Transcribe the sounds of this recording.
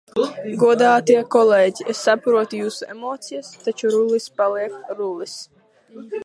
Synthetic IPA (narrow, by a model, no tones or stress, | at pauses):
ɡuɔd̪aːt̪iɛkɔleːɟʲiesːapɾuɔt̪ujuːsuḛmoːt̪sijast̪at͡ʃuɾulispaliɛkɾulis